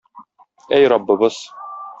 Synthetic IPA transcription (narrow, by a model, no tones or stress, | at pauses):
æjɾɑbːɤ̆bɤz̥